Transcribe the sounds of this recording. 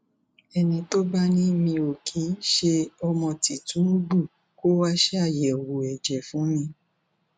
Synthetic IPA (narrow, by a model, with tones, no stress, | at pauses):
ɛ˧nĩ˧to˦ba˦nĩ˦˧mĩ˧o˨kʰĩ˨˦n̩˦ʃe˧ɔ˧mɔ̃˧ti˨tũ˨˦ɡ͡bu˦˨ | ko˦wa˦ʃe˦a˦˨jɛ˨wu˨ɛ˨d͡ʒɛ˨fũ˨˦mĩ˧